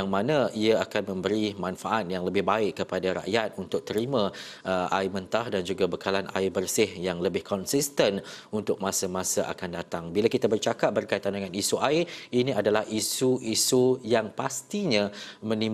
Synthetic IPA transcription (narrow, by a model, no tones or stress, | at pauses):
ŋmanãiaakanmə̃mbəɾimãnfaʔat̪̚jaŋləbɪhbaɪkːəpadaɾa̰ʔjat̪̚unt̪ʊk̚t̪əɾimã | əʔa̰imə̃nt̪ahdand͡ʒuɡabəkalanʔa̰ibərsɪhjaŋləbɪhkʰɔnsist̪ənunt̪ʊk̚mãsəmãsaʔa̰kandat̪aŋbilakit̪abərt͡ʃakap̚bərkajt̪andəŋãnisuʔaɪinĩadalahʔisuʔisujaŋpast̪iɲãmə̃ni